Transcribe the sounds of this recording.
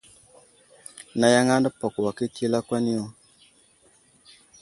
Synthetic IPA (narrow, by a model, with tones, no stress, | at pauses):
na˨ja˦ŋa˦nda˦pɔ˨kwa˨ke˦ti˦la˦kwa˦ni˦ɔ˦